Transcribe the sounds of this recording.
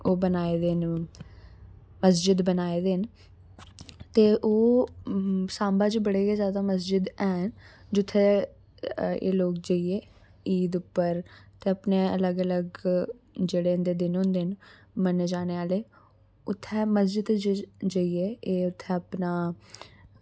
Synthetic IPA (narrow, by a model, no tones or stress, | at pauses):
oːbənaːeːd̪eːn | məs̬d͡ʒɪd̪bənaːeːd̪eːn | t̪eːʔoː | saːmbaːd͡ʒbəɽeːkezjaːd̪aːməs̬d͡ʒɪd̪ɛːnd͡ʒʊt̪ʰːɛː | ḛːloːk̚d͡ʒəieː | iːd̪ʊpːəɾt̪eːəpneːələɡələɡ | d͡ʒeːɽeːnd̪eːd̪ɪnɦõnd̪eːn | məned͡ʒaːneːaːleː | ʊt̪ʰːɛːməsd͡ʒɪd̪d͡ʒəieːeːʊt̪ʰːɛːəpnaː